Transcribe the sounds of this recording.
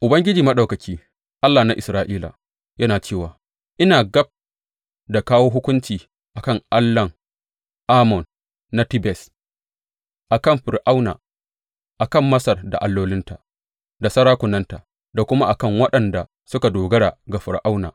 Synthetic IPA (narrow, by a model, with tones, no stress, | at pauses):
ʔʊ˨bɐ˦ŋɡʲɪ˦d͡ʒiː˨mɐ˦ɗa˨wkɐ˨kʲiː˦ | ʔa˦lːaː˨na˦ʔɪ˨sɾaː˨ʔiː˦la̰˨ | jɐ˦naː˨t͡ʃeː˦˨waː˨ | ʔɪ˦naː˨ɡɐ˦b̚ | da˨kaː˦woː˦ɦʊ˦kʷʊ˦nt͡ʃiː˨ | ʔa˨kɐ˦˨ŋʔa˦lːɐ˨ŋ | ʔaː˦mɔ˨nː | a˦tɪ˦bɛ˨s | ʔa˨kɐ˦˨mɸɪ˨rʔa˦wna̰ː˨ | ʔa˨kɐ˦˨mːɐ˦sɐ˨rda̰˨ʔa˨lːoː˦lɪ˦nta˨ | da˨sɐ˦ɽaː˦kʷʊ˨nɐ˦nta˨ | da˨kʷʊ˦ma˦ʔa˨kɐ˦˨ŋwɐ˦ɗɐ˨nda˨ | sʊ˦ka˨doː˨ɡɐ˦ɽaː˨ɡa˨ɸɪ˨ɾʔa˦wna̰ː˨